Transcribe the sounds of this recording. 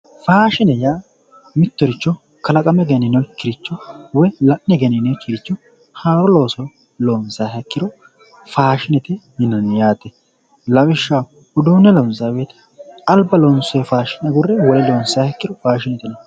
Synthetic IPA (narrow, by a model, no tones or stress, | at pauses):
faːʃɪnɛjaː | mɪt̪ːɔɾɪt͡ʃːɔ | kɐlɐkʼɐmɛɡɛnɪnɔkːɪɾɪt͡ʃːɔwɔjlɐʔnɛɡɛnɪnɛkɪɾɪt͡ʃːɔ | haːɾɔlo̞ːsɔ | loːnsahɛkːɪd̪ɔ | faːʃɪnɛt̪ɛnɪnːɐnɪjaːt̪ɛ | lɐwɪʃːa | ʊd̪uːnɛlɔnsabeːt̪ɐ̥ | ɐlbɐloːnsɔjfaːʃɪnɐɡʊrːɛwɔɛloːnsaːhɛkːɪdɔfaːʃɪnɛt̪ɪnɛ